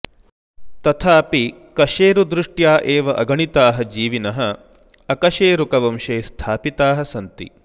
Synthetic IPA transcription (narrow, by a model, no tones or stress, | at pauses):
t̪ɐt̪ʰaːpi | kɐʃeːɾud̪ɾuʂʈjaːʔeːʋɐʔɐɡɐɳit̪aːɦɐd͡ʒiːʋinɐɦɐ | ɐkɐʃeːɾukɐʋɐmʃeːst̪ʰaːpit̪aːɦɐsɐnt̪ḭ